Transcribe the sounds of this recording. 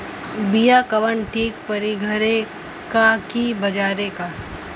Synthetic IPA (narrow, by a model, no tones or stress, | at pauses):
bijakɐʋəɳʈʰiːk̚pɐɾiɡʱɐɾe | kakibɐd͡ʒaːɾeka